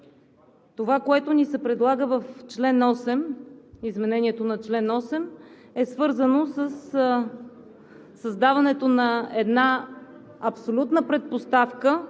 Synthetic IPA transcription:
t̪ovakoɛt̪ʊnisɛpɾɛd̪lˠaɡəvəft͡ʃlɛnɔsɛmizmɛnɛnʲiɛt̪onɐt͡ʃlɛnɔsɛm | ɛsvɤɾzənosəs | əzd̪avɐnɛt̪onɐɛd̪na | ɐpsolʲut̪nəpɾɛt̪̚post̪afkə

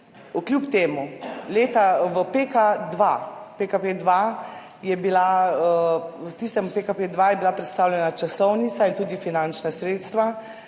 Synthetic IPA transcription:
ukljupt̪eːmuleːt̪aʋəpekad̪ʋapekaped̪ʋa | jɛbila | t̪ist̪ɛmpekaped̪ʋajɛbilapɾɛt̪st̪aːwlʲɛnat͡ʃasɔwnit̪saint̪uːd̪ifinant͡ʃnasɾeːt̪st̪ʋa

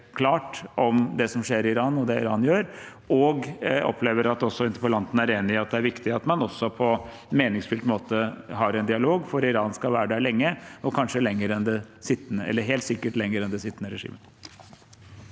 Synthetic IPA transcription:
kʰlɑːʈʔɔmd̪ɛsɔmʂeːɾɪɪɾɑːnɔd̪ɛɪɾɑːnjøːɾʔɔɡɔ̰pʰleːʋəɾɑt̪ɔsːɔɪnt̪əpɔlɑnt̪ən̩æɾeːnɪɪɑt̪̚d̪ɛæɾʋɪkt̪ɪɑt̪mɑnɔsːɔpʰɔ | meːnɪŋsfʏlt̪moːt̪əɦɑɾɛnd̪ɪɑloːɡfɔɾɪɾɑːnskɑʋæːəɖæɭɛŋːəɔkʰɑnʂəlɛŋːəɾɛnd̪ɛsɪt̪ːənəɛ̰lːəɾɦeːlt̪sɪkːəʈlɛŋːəɾɛnd̪ɛsɪt̪ːənəɾɛʂḭːmə

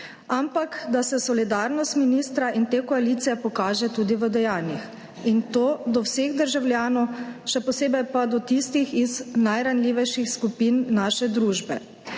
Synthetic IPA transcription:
ampakd̪asɛsɔlid̪aːɾnɔst̪minist̪ɾaʔint̪eːkɔaliːt̪sijɛpɔkaːʒɛt̪uːd̪iʋəd̪ɛjaːnjix | int̪oːd̪ɔwseɣd̪əɾʒawlʲjaːnɔwʃɛpɔseːbɛjpad̪ɔt̪ist̪ixiznajɾanlʲiːʋɛjʃixskupiːnːaʃɛd̪ɾuːʒbɛ

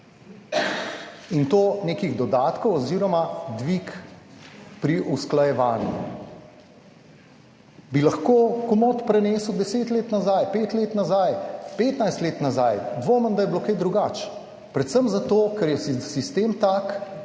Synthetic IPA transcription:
int̪oːneːkiɣd̪ɔd̪aːt̪kɔwɔziːɾɔmad̪ʋik | pɾiʔusklajɛʋaːnjṵ | bilaxkoːkumot̪pɾɛneːsəwd̪ɛseːt̪leːt̪nazajpeːt̪leːt̪nazajpeːt̪najst̪leːt̪nazajd̪ʋoːmənd̪ajɛblokajd̪ɾuɡat͡ʃ | pɾɛt̪səmzat̪oːkɛɾjɛsisist̪eːmt̪aːk

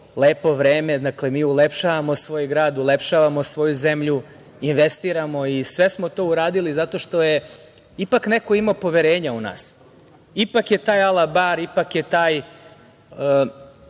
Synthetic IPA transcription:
leːpo̞ʋɾeːme̞d̪aklemiːulepʃaːʋamo̞sʋo̞ːjɡɾaːd̪ulepʃaːʋamosʋo̞juzemʎu | inʋe̞st̪iːɾamo̞isʋe̞smot̪o̞ːuɾaːd̪ilizat̪o̞ʃt̪o̞je | ipaknekoimopo̞ʋeɾe̞ːɲauna̰ːs | ipakjet̪aːjalˠabaɾipakjet̪aːj

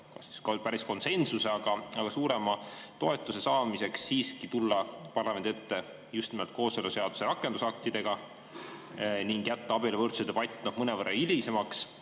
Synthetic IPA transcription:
kɑsi̥skpæɾisko̞nse̞nsuseɑɡ̥ɑɑɡ̥ɑsuːɾe̞mɑt̪o̞e̞t̪ːˑuse̞sɑːmise̞ksːiːskit̪ulːɑpɑrlɑmend̪et̪ːe̞ | just̪nimelt̪̚ko̞ːseluseɑd̪̥u̥se̞ɾɑkːˑe̞nd̪usɑk̚t̪id̪̥e̞ɡ̥ɑ | niŋɡ̥jæt̪ːɑɑbilevɤrt̪sut̪epɑjt̪ʲːˑnohmɤnevɤrːɑilʲise̞mɑks

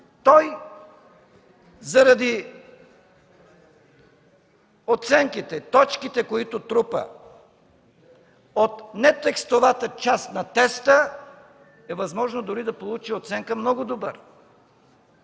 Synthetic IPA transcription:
t̪ɔj | zɐɾɐd̪i | ot̪sɛŋkit̪ɛt̪ɔt͡ʃkit̪ɛkoit̪ʊt̪ɾupə̰ | ot̪nɛt̪ɛkst̪ovat̪ət͡ʃast̪nɐt̪ɛst̪ə | ɛvɐzmɔʒnod̪ʊɾid̪ɐpolˠut͡ʃiot̪sɛŋkəmnɔɡʊd̪obə̰ɾ

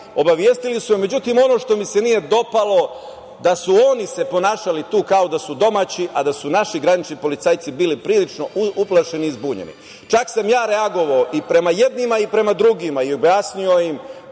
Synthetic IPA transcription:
o̞baʋjeːst̪ilisumeme̞d͡ʑut̪iːmo̞no̞ːʃt̪o̞mise̞nije̞d̪o̞palˠo̞ | d̪asuo̞nise̞po̞naːʃalit̪uːkaod̪asud̪o̞mat͡ɕiʔad̪asunaʃiɡɾanit͡ʃnipo̞lit̪saːjt̪sibiːlipɾiːlit͡ʃno̞ʔuplˠaʃe̞niizbuːɲḛnḭ | t͡ʃaksamjaːɾeaɡo̞ʋaoʔipɾe̞majed̪nimaipɾe̞mad̪ɾuɡimaiobjaːsnijojim

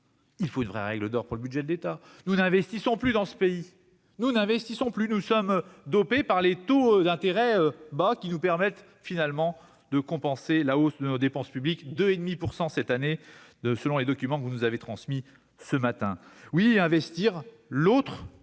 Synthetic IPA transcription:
ilfoynvʁɛʁɛɡləd̪ɔʁpuʁləbyd̪ʒɛd̪let̪a | nunɛ̃vɛst̪isɔ̃plyd̪ɑ̃sə̥pei | nunɛ̃vɛst̪isɔ̃plynusɔmd̪ɔpepaʁlet̪od̪ɛ̃t̪eʁɛøbakʲinupɛʁmɛt̪ | finalmɑ̃ | d̪əkɔ̃pɑ̃selaosd̪ənod̪epɑ̃spyblikd̪øed̪mipuʁsɑ̃sɛt̪ane | səlɔ̃led̪ɔkʲymɑ̃kəvunuzavet̪χɑ̃smi | səmat̪ɛ̃wiɛ̃vɛst̪iʁ | lot̪χ

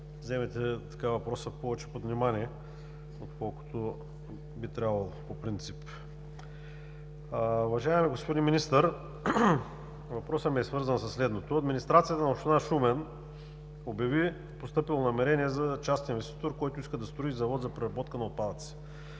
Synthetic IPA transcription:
zɛmɛt̪ɛt̪ɐ̥kavɐpɾɔsəpɔvɛt͡ʃɛ̥pod̪vnimaniɛ | ot̪kɔlˠko̥t̪o | bit̪ɾʲabvɐlˠopopɾint̪sip | ʊvɐʒaɛmiɡospod̪inminist̪əɾ | vɐpɾɔsəmiɛsvɤɾzənsɐsːlɛd̪not̪oɐd̪minist̪ɾat̪sijət̪ənɐopʃt̪inaʃumɛn | objɐvi | post̪ɤpilˠonɐmɛɾɛnʲiɛzɐt͡ʃast̪ʲinvɛst̪it̪oɾkɔjt̪ʊiskəd̪ɐst̪ɾoizɐvɔt̪zɐpɾɛɾɐbɔt̪kənɐot̪̚pad̪ət̪si̥

